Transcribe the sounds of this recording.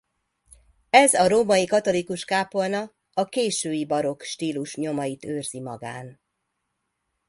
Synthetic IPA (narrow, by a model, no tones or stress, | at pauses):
ɛzɒɾoːmɒjikɒt̪o̞likuʃkaːpo̞lnɒ | ɒkeːʃøːjibɒɾo̞kʃt̪iːluʃɲo̞mɒjit̪øːrz̥imɒɡaːn